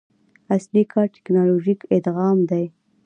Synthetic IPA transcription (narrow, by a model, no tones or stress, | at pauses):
aslikʰɑʈɪ̥knɑloʒikɪd̪ɣɑmd̪aj